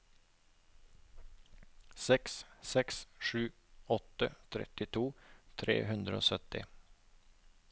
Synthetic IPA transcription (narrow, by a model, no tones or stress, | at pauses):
sɛkssɛksʂʉː | ɔt̪ə̰t̪ʰɾɛ̰t̪ɪt̪ʰuːt̪ʰɾḛːɦʉnd̪ɾəo̰ːsœt̪ɪ̰